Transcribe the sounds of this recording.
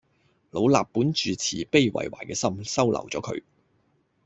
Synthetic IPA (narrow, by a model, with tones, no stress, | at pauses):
lo˨˧wlaː˨pːuː˨˥nt͡ʃyː˨t͡sʰiː˨˩pe˥˧jwɐ̰˨˩jwaː˨˩jkɛː˧sɐ˥msɐ˥wlɐ̰˨˩wt͡sɔː˨˥kʰɵ̰˨˧ɥ